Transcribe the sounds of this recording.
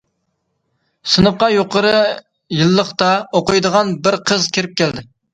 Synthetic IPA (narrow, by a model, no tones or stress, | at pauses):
sɨnəp̚qɑjoqəɾɨ | jɨlˠːəχt̪ɑoqʊjd̪əʁɑnbɪɾqʰəzkʲʰeɾɪp̚kʲæld̪ɪ